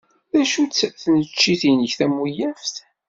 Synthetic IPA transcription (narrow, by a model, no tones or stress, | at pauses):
ðæʃut͡sːəθnət͡ʃːiθinəçθæmːujæfθ